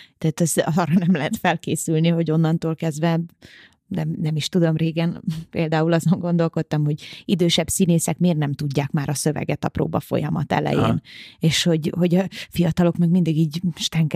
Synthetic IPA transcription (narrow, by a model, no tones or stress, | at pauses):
t̪aːt̪ɛzɒzɒːrɒnɛmlɛɦɛt̪fɛlkeːsylniɦo̞ɟo̞nːɒnt̪oːlkɛzd̪vʋɛ | nɛmnɛmiʃt̪ud̪o̞mreːɡɛnpeːld̪aːulɒzo̞ŋɡo̞nd̪o̞lko̞t̪ːɒmho̞ɟid̪øːʃɛbsineːsɛkmeːrnɛmt̪uɟːaːkmaːɾɒsø̞vɛ̰ɡɛt̪ɒpro̰ːbɒfo̞̰jɒmɒt̪ɛ̰lɛ̰jḛːneːʃho̞ɟho̞ɟɒfijɒt̪ɒlo̞kmɛɡmind̪iɡiːɟʃt̪ɛŋk